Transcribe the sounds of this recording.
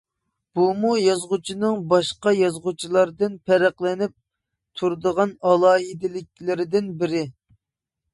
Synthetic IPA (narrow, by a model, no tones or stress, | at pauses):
b̥umujɑzʁʊt͡ʃʰinɨŋbɑʃqɑjɑzʁʊt͡ʃʰilˠɑɾd̪ɨnpʰɛɾæqlˠɪnɪp̚ | t̪ʰuɾd̪əʁɑnɑlˠɑːɦid̪ɪlɪk̚ʲlɪɾɪd̪ɪnbɪɾɪ